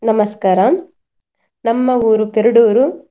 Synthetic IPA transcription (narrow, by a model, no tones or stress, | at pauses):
nɐmɐskaːɾɐm | nɐmːɐuːɾupeɾuɽuːɾu